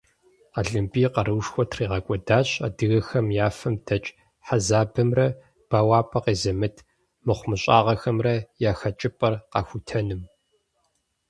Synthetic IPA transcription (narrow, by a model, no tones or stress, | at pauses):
aɮɨmpʼiːqɐɾɨwʂxʷɔtʰriːʁɐkʷʼɔdaːɕa̰ːdɨɣɐxɐmjaːfɐmd̥ɐt͡ʃʼ | ħazaːbɨmrɐ | b̥aːwaːpʼɐqeːzɐmɨtʰ | mɨχʷmɨɕʼaːʁɐxɐmrɐjaːxɐt͡ʃʼɪpʼɐrqɑ̰ːxʷʊtʰɐnɨm